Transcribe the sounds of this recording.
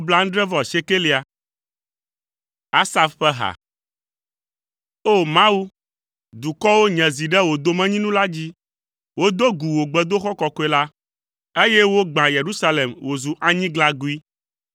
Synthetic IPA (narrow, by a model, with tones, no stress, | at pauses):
o˦bla˦ŋ̩̃˦ɖɾɛ˦vɔ˨ʃe˦ke˦le˨a˨ | a˦sa˦fɸɛ˦ɦa̰˨ | o˦˨mã˦wu˦ | d̪u˨kɔ˦wo˦ɲɛ̃˨zi˨ɖɛ˦wo˨d̪o˨mɛ̃˦ɲĩ˦nũ˦la˦d͡ʑi˦ | wo˦d̪o˦ɡu˨wo˨ɡ͡bɛ˨d̪o˦xɔ˦kɔ˨kɔ˦ɛ˦la˦ | e˦je˦wo˦ɡ͡bã˨je˨ɾu˦sa˦le˨mwo˨zu˨ʔa˨ɲĩ˦ɡla˦ɡu˦i˦